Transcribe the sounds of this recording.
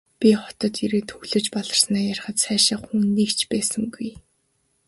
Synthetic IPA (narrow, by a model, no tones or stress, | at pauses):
pʲiχɔ̥t̪ɞ̆t̪iɾeːt̪ʰɵɣɮɵ̆t͡ɕpɔɮɞ̆r̥snæːjarʲχə̆t̪sæːʃə̆χxuːnːiːkt͡ɕʰpæːsə̆ŋɡuj